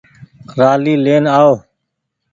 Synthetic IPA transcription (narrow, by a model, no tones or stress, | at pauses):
ɾaːliːleːnaːoː